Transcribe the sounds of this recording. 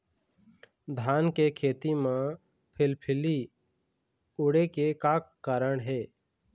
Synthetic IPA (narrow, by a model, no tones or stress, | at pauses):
d̪ʱaːnkekʰeːt̪imẽ | pʰɪlpʰɪli | ʊɽekekakːaːɾəɳɦeː